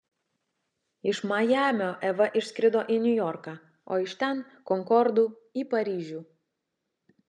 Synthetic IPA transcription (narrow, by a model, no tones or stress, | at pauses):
ɪʃmɐjæːmʲoːʔɛʋɐʔɪʃʲsʲkʲɾʲɪd̪oːʔinʲʊjɔɾkɑː | o̰ːɪʃt̪ʲɛn | kɔŋkɔɾd̪uː | iːpɐɾʲiːʒʲuː